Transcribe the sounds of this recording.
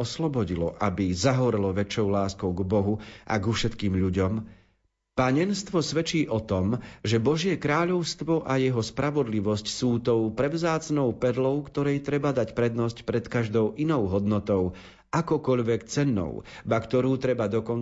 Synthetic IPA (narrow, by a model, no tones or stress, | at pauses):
ɔslɔbɔɟilɔ̰ʔabizaɦɔɾɛlɔʋɛt͡ʃɔʊlaːskɔʊɡbɔɦuʔa̰ɡufʃɛt̪kiːmʎuɟɔm | paɲɛnst̪ʋɔsʋɛt͡ʃiːʔɔt̪ɔmʒɛbɔʒɪɛkɾaːʎɔʊst̪ʋɔʔajɛɦɔspɾaʋɔd̪liʋɔscsuːt̪ɔʊpɾɛʊzaːt͡snɔʊpɛd̪lɔʊkt̪ɔɾɛjt̪ɾɛbad̪acpɾɛd̪nɔscpɾɛt̪kaʒd̪ɔʊʔinɔʊɦɔd̪nɔt̪ɔʊ | ʔakɔkɔʎʋɛkt͡sɛnːɔ̰ʊbakt̪ɔɾuːt̪ɾɛbad̪ɔkɔn